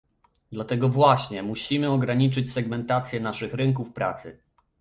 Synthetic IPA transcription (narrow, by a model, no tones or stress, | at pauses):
d̪lat̪ɛɡɔvwaɕɲɛmuɕimɘɔɡɾaɲit͡ʂɘt͡ɕsɛɡmɛnt̪at̪sʲjɛnaʂɘxɾɘŋkufpɾa̰t̪sɘ̰